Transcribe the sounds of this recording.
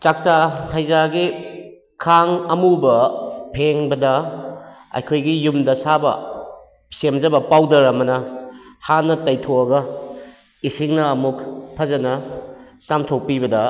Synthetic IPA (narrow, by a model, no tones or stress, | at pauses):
t͡ʃak̚sahɐjzaɡi | kʰaŋɐmubɐpʰeŋbɐdɐ | ɐ̰jkʰojɡijumdɐsabɐ̰ | semzɐbɐpawdɐɾɐmɐnɐhanːɐtɐjtʰoɐɡɐ | isiŋnɐːmukpʰɐzɐnɐsamtʰok̚pibɐdɐ